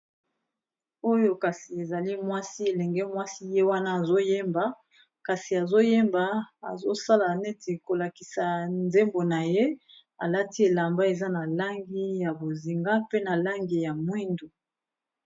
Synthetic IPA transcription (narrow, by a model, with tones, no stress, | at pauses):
o˦jo˦ka˨si˨e˨za˨li˦mwa˦si˦e˨lɛ˨ŋɡɛ˦mwa˦si˦je˦wa˦na˦a˨zo˦je˦mba˨ | ka˨si˨a˨zo˦je˦mba˨a̰˨zo˦sa˦la˨ne˦te˨ko˨la˨ki˨sa˨nze˦mbo˨na˨je˦ | a̰˨la˦ti˦e˨la˨mba˦e˨za˦na˨la˦ŋɡi˦ja˨bo˨zi˨ŋɡa˦pe˦na˨la˦ŋɡi˨ja˨mwi˦ndo˨